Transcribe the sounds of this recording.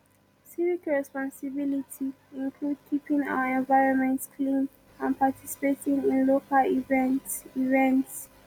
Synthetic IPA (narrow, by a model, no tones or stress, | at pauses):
sivikɹɛspɔ̃nsibilitʰi | ĩnkʰlud̚kʰipĩŋa̰ʊəɛ̃nvaɪɹɔ̃nmɛ̃ntskʰlĩn | ãnpatʰisi̥petĩŋĩnlokalivivɛ̃nts